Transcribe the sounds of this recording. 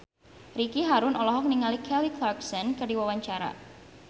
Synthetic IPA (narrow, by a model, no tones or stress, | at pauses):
rikiɦaɾʊnɔlɔɦɔk̚niŋalikʰɛliklarksɔnkərdiwawaɲt͡ʃaɾa̰